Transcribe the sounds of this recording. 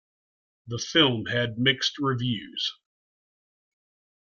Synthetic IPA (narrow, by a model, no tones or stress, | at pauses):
ðəfɪlˠmɨd̚mɪkst̚ɹɪvjʉz̥